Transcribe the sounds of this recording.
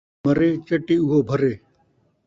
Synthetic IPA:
əɾeːt͡ʃɐʈiːuɦoːbʱəɾeː

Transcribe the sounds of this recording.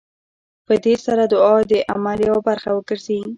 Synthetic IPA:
pəd̪esaɾad̪ʊɑd̪əʔamaljɑwbaɾxawəɡəɾze

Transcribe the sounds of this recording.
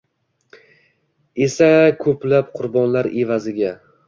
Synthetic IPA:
e̞sakʰɵplap̚qʰʊɾbɒnlaɾe̞vazɪɡʲa

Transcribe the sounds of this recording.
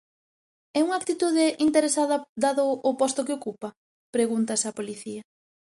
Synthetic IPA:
ɛuŋak̚t̪it̪uð̞ɪʔint̪eɾesaðɐd̪aðʊʔːpɔst̪ʊkeokupɐ | pɾeɣunt̪ɐsapoliθiɐ

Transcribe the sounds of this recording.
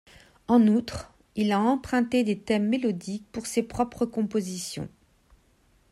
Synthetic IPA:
ɑ̃nut̪χ | ilaɑ̃pχɛ̃t̪ed̪et̪ɛmːelɔd̪ik̚puʁsepχɔpχəkɔ̃pozisjɔ̰̃

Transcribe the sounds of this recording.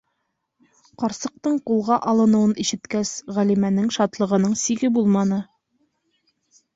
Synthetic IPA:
qɑɾsɤ̆q̚t̪ɤɴqulˠʁɑʔɑlˠɤ̆nɤ̆wɤniʃɘ̆t̪kæsʁælimænɘŋʃɑt̪lˠɤ̆ʁɤ̆nɤɴsiɡɘbulˠmɑnɤ

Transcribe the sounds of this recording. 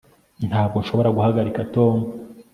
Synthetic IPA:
n̥haːb̚ɡo̞nʃo̞βo̞ɾaɡuhaɡaɾikatoːmu

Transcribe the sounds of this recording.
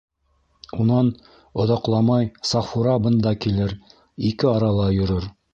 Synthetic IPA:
unɑn | ŏðɑqlˠɑmɑjsɑfuɾɑbɤ̆nd̪ɑkilɘɾ | ikɘɑɾɑlˠɑjŏɾoɾ

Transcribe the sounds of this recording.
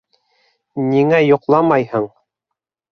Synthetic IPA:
niŋæjŏqlˠɑmɑjhɤɴ

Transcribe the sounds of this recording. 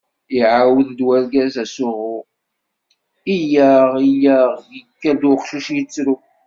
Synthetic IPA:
iʕawəðd̪wæɾɡæzæsʊʁʊ | ijæʁijæʁjəkːæld̪ʊχʃuʃjit͡sːɾu

